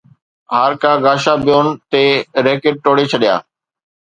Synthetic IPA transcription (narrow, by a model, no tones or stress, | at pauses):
ɦaːɾkʰãːɡaːʃabɪjoːnt̪eɾeːkɪʈ̚ʈoːɽet͡ɕʰɐɗɪja̰ː